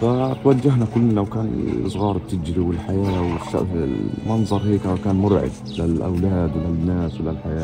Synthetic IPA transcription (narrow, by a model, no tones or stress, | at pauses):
fat̪wad͡ʒːaɦnakʊlːlawkaːnsˤɣɑːɾˤb̚t̪ːɪd͡ʒɾiwɪlħajaːwɪʃa̰ʔmɑnzˤɑɾˤheːkwkaːnmʊɾʕɪ̰b̪ | lalʔa̰wlaːd̪lanːaːswɪlalħajaː